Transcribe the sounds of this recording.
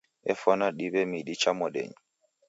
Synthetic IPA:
ɛfɔnaɗibɛmiɗit͡ʃamɔɗɛ̰ɲi

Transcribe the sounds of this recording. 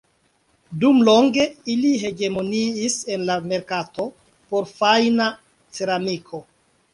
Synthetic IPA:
dumlo̞ŋɡe̞iliɦe̞ɡe̞mo̞niːse̞nlame̞ɾkato̞ | po̞ɾfajna | t͡seɾamikʰo̞

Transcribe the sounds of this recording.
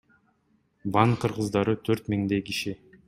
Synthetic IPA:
bɑɴqʰɯɾʁɯzd̪ɑɾɯt̪ʰøɾt̪miŋd̪ejkiʃi

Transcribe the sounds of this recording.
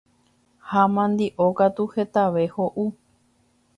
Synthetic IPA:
hamãnd̪iʔokat̪uhet̪aʋehoʔu

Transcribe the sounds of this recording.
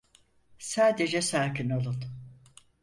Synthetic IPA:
saːd̪ed͡ʒɛsaːkinolˠun

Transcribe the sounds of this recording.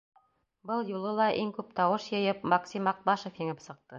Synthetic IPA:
bɤlˠjulˠɤlˠɑʔiŋkʉp̚t̪ɑwɤʃjɤ̆jɤpmɑksʲimɑq̚bɑʃŏfjĭŋɘpsɤ̆q̚t̪ɤ

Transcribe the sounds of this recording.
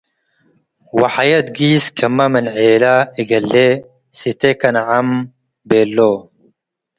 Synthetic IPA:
wɐħajɐt̪̚ɡiːskʰɐmːɐmɐnʕeːlaiɡɐlːe | sit̪ekɐnʕam | beːlːo

